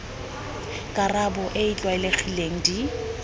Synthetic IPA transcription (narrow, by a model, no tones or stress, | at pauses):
kʼarabʊʔeɪt͡ɬʼwaɪlek͡xʰileŋ̩di